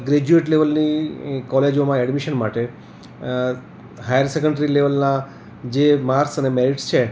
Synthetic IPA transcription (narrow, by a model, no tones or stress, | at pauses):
ɡɾed͡ʒueʈleʋəlnikɔled͡ʒomãɛɖmiʃənmaʈe | ɦajəɾsekəɳɖɾileʋəlnã | d͡ʒemaɾksənemeɾiʈst͡ʃʰe